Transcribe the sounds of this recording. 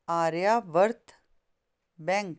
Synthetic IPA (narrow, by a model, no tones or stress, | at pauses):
aːɾjaʋəɾt̪ | bɛ̃ŋk